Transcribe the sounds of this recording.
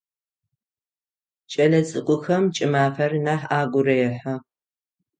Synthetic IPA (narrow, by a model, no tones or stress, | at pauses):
t͡ʃʼɐlɐt͡sʼɨqʷʼʊxɐmt͡ʃʼɪmaːfɐrnaːħaːɡʷʊrɐjɛħɐ